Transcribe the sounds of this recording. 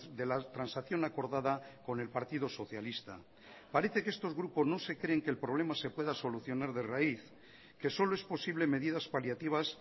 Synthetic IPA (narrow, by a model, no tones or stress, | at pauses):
d̪e̞lat̪ɾansaθjo̞nako̞ɾðaðako̞ne̞lpaɾt̪iðoso̞θjalist̪a̰ | paɾeθe̞ke̞st̪o̞zɣɾupo̞zno̞se̞kɾe̞eŋkelpɾo̞β̞le̞mase̞pwe̞ðaso̞luθjo̞naɾðe̞raiθ | ke̞so̞loe̞spo̞siβle̞me̞ðiðaspaljat̪iβ̞as